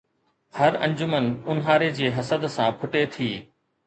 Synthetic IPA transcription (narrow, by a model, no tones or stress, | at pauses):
hɐɾɐ̰̃ɲd͡ʑʊmənʊnɦaːɾed͡ʑeːɦɐsəd̪sãːpʰʊʈet̪ʰiː